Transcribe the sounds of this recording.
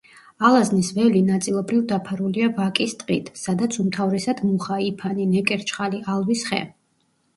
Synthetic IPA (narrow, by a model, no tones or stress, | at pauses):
alˠaznisvɛlinat̪sʼilˠɔbɾivd̪apʰaɾuliavakʼist̪ʼqʼit̪ʰsad̪at̪sʰumt̪ʰavɾɛsad̪muχaipʰaninɛkʼɛɾt͡ʃʰʼχaliʔalˠvisχɛ̰